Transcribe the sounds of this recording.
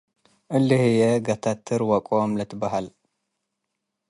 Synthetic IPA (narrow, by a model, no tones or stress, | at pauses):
ʔɨlːɨhɨjɛɡɐt̪ʰat̪ʰːɨɾwɐkʼomlɐt̪ʰɨbaɦal